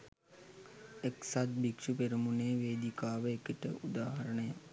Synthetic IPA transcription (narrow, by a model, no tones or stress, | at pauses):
eksad̪̚bikʂupeɾumuneːʋeːd̪ikaːʋəekiʈəʔud̪aːɦɐɾəɳəja